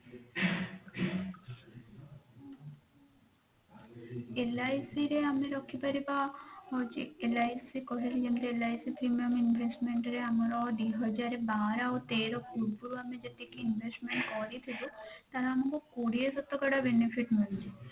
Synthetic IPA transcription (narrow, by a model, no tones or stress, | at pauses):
elajsiɾeameɾɔkʰːipaɾibaɦɔt͡ʃḭelajsikɔɦilid͡ʒend̪eelajsipɾimiɔminbʱesʈmeɳʈɾeamaɾɔd̪iɦɔd͡ʒaɾebaɾaot̪eɾɔfuʈ̚bulamed͡ʒet̪ikiinbʱesʈmeɳʈkɔɾit̪ʰilot̪aɾaamakokoɽiesɔt̪ːokaɽabenifiʈmult͡ʃʰi